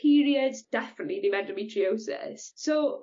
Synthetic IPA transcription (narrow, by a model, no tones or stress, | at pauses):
iːɹiədzd̥ɛfənətliðəmɛdəmitʰɹioʊsɪ̰ssoʊ